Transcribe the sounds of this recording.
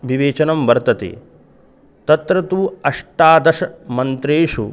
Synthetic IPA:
ʋiʋeːt͡ʃɐnɐmʋɐɾt̪ɐt̪ḛː | t̪ɐt̪ɾɐt̪uːɐʂʈaːd̪ɐʃɐmɐnt̪ɾeːʂu

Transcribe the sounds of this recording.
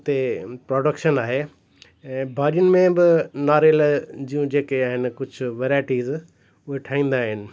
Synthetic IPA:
t̪epɾoːɖəkʃənaːɦeː | ɛ̃ːbʱaːɾijʊnɪ̆mẽbɪnaːɾeld͡ʑiːjũd͡ʑeːkeaːɦɪnɪkʊd͡ʑʱʊʋeːɾaːɪʈiːz | ʊɦeʈʰaːĩːn̆d̪aːɦɪnɪ̆

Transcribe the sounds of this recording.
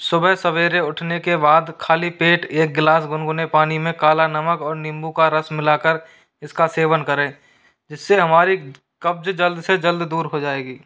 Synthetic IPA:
sʊbəɦsɐʋeːɾeʊʈʰnekebaːd̪kʰaːlipeːʈeːk̚ɡlaːsɡʊnɡʊnepaːnimẽkaːlanɐməkɔːɾnɪ̃mbukaɾəsmɪlaːkəɾ | ɪskaseːʋənkəɾẽː | d͡ʒɪsːeɦɐmaːɾi | kɐb̚d͡ʒd͡ʒəld̪sed͡ʒəld̪d̪uːɾɦod͡ʒaːeːɡiː

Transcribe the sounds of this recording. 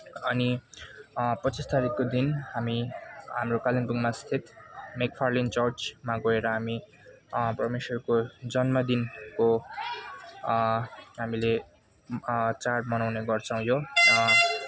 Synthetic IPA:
ʌni | pʌt͡sist̪aɾikːod̪inhamiɦamrokalenpuŋmast̪ʰit̪mek̚pʰarlint͡sʌrt͡smaɡʌeɾʌɦami | prʌmesʌrkod͡zʌnmʌd̪inko | ɦamile | t͡sarʈmʌnawneɡʌrt͡sʰʌ̃w̃joɾʌ

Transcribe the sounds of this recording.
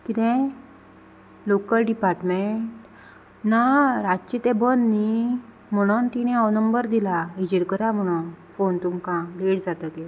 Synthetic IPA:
kit̪ɛ̃ | lokəlɖipaɾʈmeʈ | naɾad͡ʑt͡ɕit̪ɛ̃bənːi | m̤əɽ̃unt̪iɽ̃ẽɔwnəmbəɾd̪ilaid͡ʑiɾkəɾam̤əɽ̃unfont̪umkãleɽd͡zat̪əke

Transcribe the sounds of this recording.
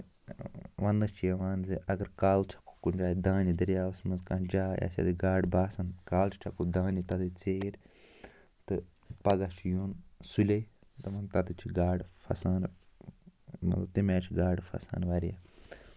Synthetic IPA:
ʋɐnd̪ɨt͡ʃʰijɐʋaːnziʔɐɡɐɾkaːlt͡ʃʰɐ̥ku̥kund͡ʒaːd̪ãːnid̪ɐɾjaːʋɐsmɐnzkaːnd͡ʒaːja̰sʲɐ̰d̪ɨɡaːɖbaːsɐnkaːlt͡ʃʰi̥t͡ʃʲʰɐkud̪ãːnit̪ɐd̪ɨt͡seɾʲ | t̪ɨ | pɐɡat͡ʃʰijunsulʲɐj | t̪ɨʋɐnt̪ɐd̪ɨt͡ʃʰiɡaːɖfʰɐ̰saːn | mɐ̰t̪lɐbt̪imaːt͡ʃʰiɡaːɖfʰɐ̰sa̰ːnʋɐɾija̰

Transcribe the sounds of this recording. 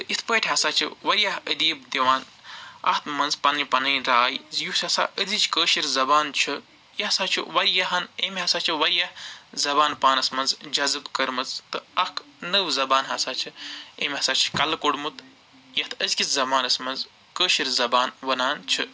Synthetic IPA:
t̪ɨʔit̪ʰpəːʈʲʰɦɐsaːt͡ʃʰɨ̰ʋɐɾjɐhəd̪iːbd̪iʋaːn | ɐ̰ht̪mɐnzpɐnɨpɐnɨːnɾaːjzjusɐsa̰ːʔədit͡ʃʰkəːʃiɾzɐbaːnt͡ʃʰɨ | jɐhsaːt͡ʃʰḭʋɐɾjɐɦɐnemʲɦɐsaːt͡ʃʰiʋɐɾʲjɐhzɐbaːnpaːnɐsmɐnzd͡ʒɐzɨbkɐɾmɨt͡st̪ɨɐhk | nɨwzɐbaːnɦɐsaːt͡ʃʰɨeːmʲɦɐsaːt͡ʃʰi̥kɐlkoɽmut̪ | jɐht̪ʰɐzkʲit͡szɐbaːnɐsmɐnz | kəːʃiɾzɐbaːnʋɐnaːnt͡ʃʰɨ

